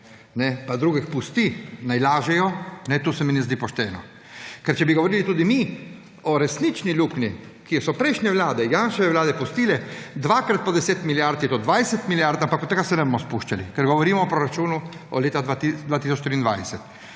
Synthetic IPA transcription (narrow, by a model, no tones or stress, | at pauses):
nɛpad̪ɾuːɡixpust̪inajlaːʒɛjɔnɛt̪uːsɛmɛnɛzd̪iːpɔʃt̪ɛːnɔ | kɛɾt͡ʃɛbiɡoʋɔɾiːlit̪uːd̪imi | ɔɾɛsnit͡ʃnilukni | kijɛsɔpɾɛjʃɲɛʋlaːd̪ɛjanʃɛʋɛʋlaːd̪ɛpust̪iːlɛd̪ʋakɾat̪̚pɔd̪ɛseːt̪miljaɾt̪jɛt̪od̪ʋajsɛt̪miljaɾt̪ampakɔt̪ːɛɡasɛnɛbomɔspuʃt͡ʃalḭkɛɾɡɔʋɔɾimɔɔpɾoɾat͡ʃuːnuɔ̰leːt̪ad̪ʋat̪id̪ʋaːt̪isɔt͡ʃt̪ɾiːnd̪ʋajsɛt̪